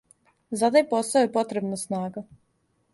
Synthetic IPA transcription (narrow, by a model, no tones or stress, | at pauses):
zad̪ajpɔsɔjpɔt̪ɾɛbnasnaːɡa